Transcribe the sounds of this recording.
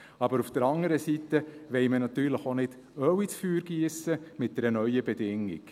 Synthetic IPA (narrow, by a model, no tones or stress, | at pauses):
ɑbəɾufd̥əɾɑŋəɾəsit̪ːəʋɛɪmənɑt̪yːɾləχonɪd̥ | œwit͡sfyːɾɡ̥iəsəmɪt̚d̥ɛɾənœʏəbɛdɪŋːḭk